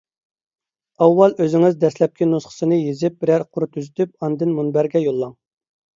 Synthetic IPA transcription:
ɑwːɑlˠøzɪŋɪzd̪ɛslɛp̚kʲinusχə̥sɨnɨjezɪp̚bɾæɾqʰʊɾt̪ʰyzyt̪yp̚ɑnd̪ɪnmunbæɾɡʲɛjolˠːɑŋ

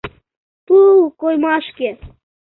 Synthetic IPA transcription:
t̪ukojmɑʃke

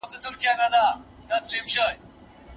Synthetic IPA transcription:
t̪et̪uɾkijanɐd̪aː | t̪ɐslimɕəj

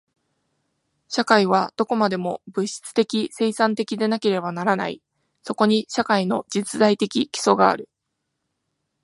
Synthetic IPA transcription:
ɕakaiβ̞ad̪̥o̞ko̞mad̪e̞mo̞bɯ̟ɕi̥t͡sɨ̥t̪e̞kʲise̞ːsãnt̪e̞kʲid̪e̞nake̞ɾe̞banaɾana̰ḭ | so̞ko̞ɲ̟iɕakaino̞d͡ʑit͡sɨd̪ait̪e̞kʲikʲi̥so̞ɡa̰ːɾɯ̟

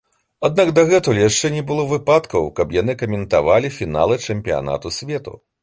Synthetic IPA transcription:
ad̪̚naɡd̪aɣɛt̪ulʲjaʂt͡ʂɛnʲɛbɨlˠɔvɨpat̪kɐwkɐpjanɨkɐmʲɛnt̪a̰valʲifʲina̰lˠɨt͡ʂɛmʲpʲija̰na̰t̪usʲvʲɛt̪ṵ

